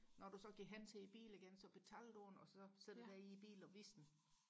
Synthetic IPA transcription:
nɒd̥usɒ̽ɡ̥iɡ̥ɦen̰t͡sʰe̝ib̥ḭːl̩iɡ̥ensɒ̽b̥e̝t͡sʰæld̥un̩ɒ̽sɒ̽se̥̰d̥d̥æɐiːb̥ḭːlɒʋisn̩

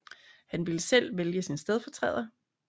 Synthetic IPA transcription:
hænʋiləsel̰ʋeljəsinsd̥eð̞ˠfɒ̽t͡sʰʁɛ̰ð̰ˠɐ

